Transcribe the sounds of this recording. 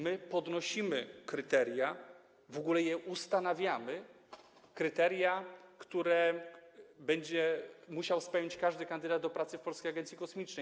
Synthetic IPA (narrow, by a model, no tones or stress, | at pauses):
mɘpɔd̪nɔɕimɘkɾɘt̪ɛɾja | vɔɡulɛjɛʔust̪anavʲjamɘ | kɾɘt̪ɛɾjakt̪uɾɛ | bɛɲd͡ʑɛmuɕawspɛwjɲt͡ɕkaʐd̪ɘkand̪ɘd̪ad̪̚d̪ɔpɾat̪sɘfpɔlskʲejaɡɛnt̪sʲikɔsmʲit͡ʂnɛj